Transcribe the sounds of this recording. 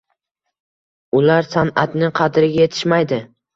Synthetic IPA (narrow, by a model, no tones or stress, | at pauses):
ʊlaɾsanat̪nɪqʰɑd̪ɪɾɪɡʲaje̞t̪ʰɪ̥ʃmajd̪ɪ